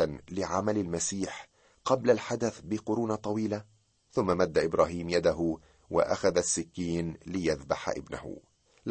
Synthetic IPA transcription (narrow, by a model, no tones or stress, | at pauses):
anlɪʕamalalmasiːħ | qɑblalħad̪aθbɪqʊɾuːnat̪ˤɑwiːla | θʊmːamad̪ːaʔɪbɾˤɑːɦiːmjad̪aɦʊ | wa̰ʔa̰xaðasːɪkːiːnlɪjaðbaħa̰ʔɪ̰bna̰hʊ̰ | l